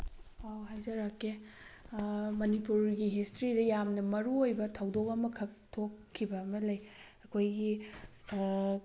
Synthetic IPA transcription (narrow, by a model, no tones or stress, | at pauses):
awɦajzɐɾakːe | mɐnipuɾɡiɦistɾidɐjamnɐmɐɾuojbɐtʰɐwdokɐmɐkʰɐk̚tʰokʰːibɐːmɐlɐjɐkʰojɡi